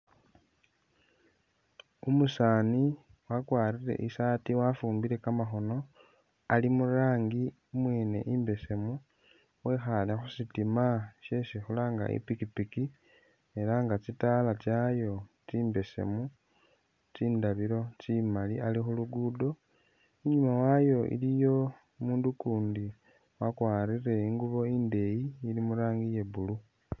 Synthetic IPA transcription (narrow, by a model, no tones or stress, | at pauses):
umusaːni | wakwaːriɾe̞̰ʔisaːtiwafuːmbiɾe̞kamaxo̞no̞ | alimuɾaːŋɡi | umweːne̞̰ʔiːmbe̞se̞mu | we̞xalexusitimaʃesixulaŋɡa̰ḭpikipiki | e̞laŋɡat͡sitalat͡ʃajo̞ | t͡siːmbe̞se̞̰mu | t͡siːndaβiɾo̞t͡ʃimalialixuluɡudo̞ | iɲumawajo̞ḭlijo̞ | muːndukuːndi | wakwaːɾire̞iŋɡuβo̞iːnde̞jiːlimuɾaːŋɡije̞bulu